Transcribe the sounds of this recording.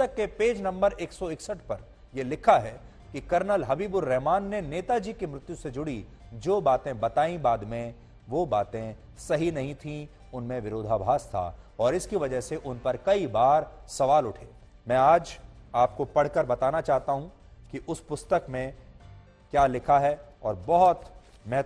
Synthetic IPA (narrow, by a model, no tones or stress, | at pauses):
st̪əkːepeːd͡ʒnɐ̃mbəɾeːksɔɪksəʈpɐɾ | jelɪkʰaɦɛ | kikɐɾnəlɦɐbiːbʊɾːɛɦmaːnːeneːt̪ad͡ʒiːkimɾɪt̪jused͡ʒʊɽi | d͡ʒoːbaːt̪ẽbɐt̪aːĩbaːd̪mẽ | ʋoːbaːt̪ẽ | sɐɦinɐɦĩt̪ʰĩ | ʊnmẽʋɪɾoːd̪ʱaːbʱaːst̪ʰa̰ɔːɾɪskiʋɐd͡ʒəɦseʔʊnpɐɾkɐibaːɾsɐʋaːlʊʈʰeː | mɛ̃ːaːd͡ʒaːp̚kopɐɽ̤kɐɾbɐt̪aːnat͡ʃaːɦt̪aɦũ | kiʔʊspʊst̪əkmẽ | kjaːlɪkʰaɦɛɔːɾbɔɦʊt̪ | mɛɦ